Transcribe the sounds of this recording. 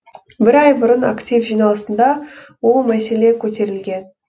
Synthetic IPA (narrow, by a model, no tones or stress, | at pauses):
bɪɾɑjbʊɾənakt̪ʲifʒijnɑlˠəsənd̪ɑ | wo̞lˠmæse̞le̞kʲʰɵt̪e̞ɾɪlɡʲe̞n